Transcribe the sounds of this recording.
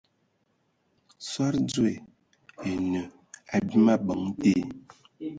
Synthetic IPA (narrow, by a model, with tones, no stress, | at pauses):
sa˦ɾd͡zwe˨ | e˨nə˨ | a˨bi˦ma˦bə˨˦ŋ˦te˦